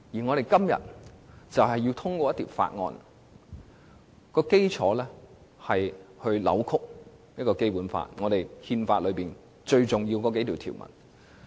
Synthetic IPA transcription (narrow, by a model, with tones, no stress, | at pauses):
ji˨˩ŋɔ˨˧ɾe˨jkɐ˥mjɐ̰˨˩t̚t͡sɐ˨whɐ˨ji˧wt̪ʰʊ˥ŋkɔː˧jɐ˥t̪i˨˩pfa̰ː˧t̚ŋɔ̰ː˧n | kɔː˧ke˥jt͡sʰɔ̰ː˨˥lɛː˥ | hɐ˨˩jhɵ˧ɥlɐ̰˨˧˥wkʰʊ˥k̚j̚kɔː˧ke˥jpuː˨˥nfa̰ː˧t̚ŋɔː˨˧ɾe˨jhiː˧nfaː˧t̚lɵ˨˧ɥpiː˨˩n | t͡ʃɵ˧ɥt͡sʊ˨ŋjiː˧wkɔː˧ke˨˥jt̪ʰi˨wt̪ʰḭː˨˩wmɐ̰˨˩n